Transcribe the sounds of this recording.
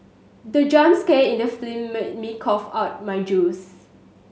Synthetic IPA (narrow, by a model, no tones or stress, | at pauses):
dəd͡ʒɔ̃nskeĩndəflĩmmikʰɔfaʊt̚majd͡ʒus